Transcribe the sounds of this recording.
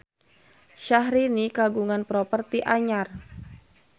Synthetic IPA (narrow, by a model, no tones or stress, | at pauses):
ʃaɦɾinikaɡuŋanpɾɔpərt̪iʔaɲar